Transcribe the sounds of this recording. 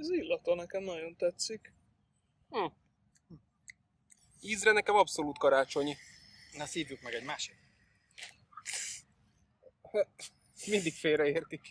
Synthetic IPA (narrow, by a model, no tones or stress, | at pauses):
zilːɒt̪ɒnɛkɛmnɒɟo̞nt̪ɛt̪sik̩ | iːzrɛnɛkɛmɒpso̞luːt̪̚kɒɾaːt͡ʃo̞ɲinɒsiːvykmɛɡɛɟmaːʃik | h | mind̪ikfeːɾɛeːrt̪ik